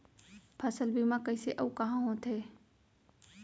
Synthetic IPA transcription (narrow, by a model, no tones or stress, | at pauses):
pʰəsəlbʱimãkəiseʔɐukɐɦãːɦõːt̪ʰeː